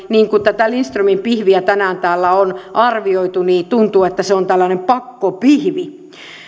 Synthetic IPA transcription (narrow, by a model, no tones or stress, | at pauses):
niːŋkut̪æt̪ælinst̪rymimpihʋiæt̪ænæːnt̪æːlːæonʔɑrʋioit̪uniːt̪unt̪uːet̪ːæseont̪ælːænempɑkːopihʋi